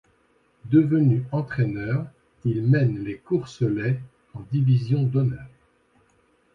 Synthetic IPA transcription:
d̪əvənyɑ̃t̪χɛnœːʁ | ilmɛnlekuʁsəlɛ | ɑ̃d̪ivizjɔ̃d̪ɔnœːʁ

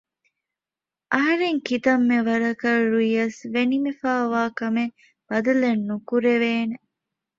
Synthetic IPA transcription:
ʔɐɦɐɾeŋkit̪ɐmːeʋɐɾɐkɐɾuiɐsʋenimifaːʋaːkɐme | b̥ɐd̪ɐlenːukuɾeʋeːne

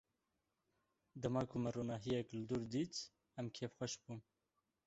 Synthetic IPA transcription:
d̪ɐmɑːkʰumɛɾoːnɑːɦijɛklɨd̪uɾd̪it̪ | ɛmkʰeːfxʷɛʃbuːn

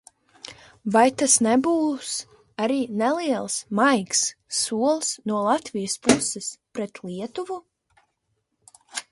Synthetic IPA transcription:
vajt̪asnɛbuːs | aɾiːnɛlˠiɛlˠsmajksːuɔlˠsnuɔlˠat̪vijəspusɛspɾɛt̪lˠiɛt̪uvu

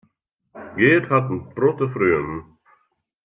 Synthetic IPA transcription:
ɡeːdhat̪n̩bɾɔt̪əfɾyəm

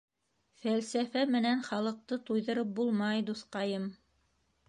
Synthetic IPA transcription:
fælsæfæmɘ̆nænχɑlˠɤ̆q̚t̪ɤt̪ujðɤ̆ɾɤp̚bulˠmɑjd̪uθqɑjɤm

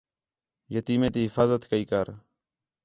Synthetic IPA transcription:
jət̪iːmẽːt̪iːɦɪfaːzət̪kəiːkəɾ

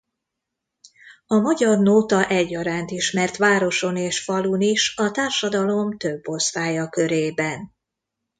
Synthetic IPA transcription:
ɒmɒɟɒrnoːt̪ɒʔɛɟːɒɾaːnt̪iʃmɛrt̪ʋaːɾo̞ʃo̞neːʃfɒluniʃɒt̪aːrʃɒd̪ɒlo̞mt̪ø̞bːo̞st̪aːjɒkø̞ɾeːbɛn

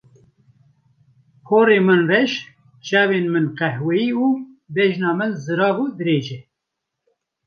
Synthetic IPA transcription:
kʰoːɾeːmɨnrɛʃ | t͡ʃɑːweːnmɨnqɛhwɛiːuː | bɛʒnɑːmɨnzɨɾɑːbuːd̪ɨɾeːʒɛ

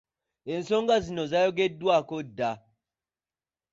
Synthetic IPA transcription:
en̩soŋɡazinozajoɡedwakoda

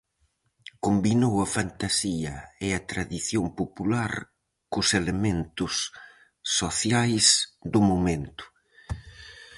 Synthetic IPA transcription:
kombinowɐfant̪asiɐeɐt̪ɾaðiθjompopulaɾ | kʊselemẽnt̪ʊsː | oθjajsd̪ʊmomẽnt̪ʊ̥

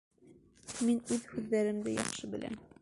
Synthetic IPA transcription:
minʉðhʉðːæɾɘ̆md̪ɘjɒ̰χʃɤbɘ̆lʔæ̰m

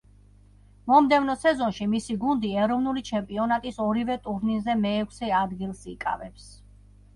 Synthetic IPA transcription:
mɔmd̪ɛvnɔsɛzɔnʃimisiɡund̪iɛɾɔvnulit͡ʃʰɛmpʼiɔnat̪ʼisɔɾivɛt̪ʼuɾninzɛmɛːkʷʰsɛad̪ɡilˠsikʼa̰vɛps

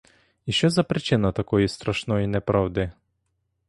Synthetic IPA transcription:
iʃɛzapɾit͡ʃinat̪akɔist̪ɾaʃnɔinɛpɾavd̪ɛ

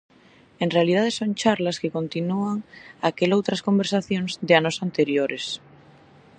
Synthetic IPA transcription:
ẽnrealiðað̞esoŋt͡ʃaɾlaskeko̞nt̪inuaŋakelowt̪ɾasko̞mbeɾsaθjõŋzðeanosant̪eɾjoɾʔes

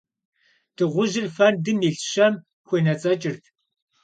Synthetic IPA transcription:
d̥ʰɨʁʷʊʒɪrfɐndɨmiɬɕɐm | xʷenɐt͡sʼɐt͡ʃʼɪrtʰ

